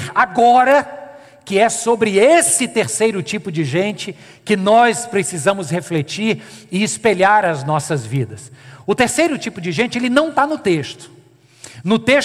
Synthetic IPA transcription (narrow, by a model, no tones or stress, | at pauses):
aɡɔɾɐ | kɪɛsobɾɪesɪt̪eɾsejɾʊt͡ʃipʊd͡ʒɪʒẽnt͡ʃɪ | kɪnɔspɾesizɐ̃mʊsheflet͡ʃiɾɪɪspeʎaɾɐznɔsɐzvid̪ɐsʊt̪eɾsejɾʊt͡ʃipʊd͡ʒɪʒẽt͡ʃɪelɪnɐ̃w̃t̪anʊt̪eʃt̪ʊ̥ | nʊt̪eʃ